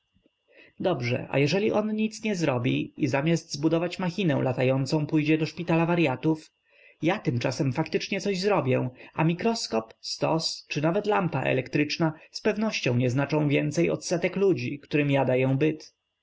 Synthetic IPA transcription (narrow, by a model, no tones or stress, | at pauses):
d̪ɔbʐɛ̰ʔa̰jɛʐɛlʲiʔɔnɲit̪sɲɛzɾɔbʲiizamʲjasd̪zbud̪ɔvat͡ɕmaxʲinɛw̃lʔat̪ajɔnt̪sɔ̃w̃pujd͡ʑɛd̪ɔʂpʲit̪alavaɾjat̪uf | jat̪ɘmt͡ʂasɛmfakt̪ɘt͡ʂɲɛt̪sɔʑzɾɔbʲjɛamʲikɾɔskɔpst̪ɔ̰st͡ʂɘnavɛt̪lampaʔɛ̰lɛkt̪ɾɘt͡ʂnaspɛvnɔɕt͡ɕɔ̃w̃ɲɛznat͡ʂɔ̃w̃vʲjɛnt̪sɛjɔ̰t̪sɛt̪ɛklud͡ʑikt̪uɾɘmjad̪ajɔ̃w̃bɘt̪